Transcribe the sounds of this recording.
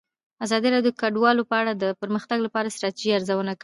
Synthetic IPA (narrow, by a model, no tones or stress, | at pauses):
azɑd̪iɾɑd̪jokaɖwɑlopəaɽad̪əpəɾməxt̪aɡlapɑɾast̪ɾɑt̪iʒiaɾzawənak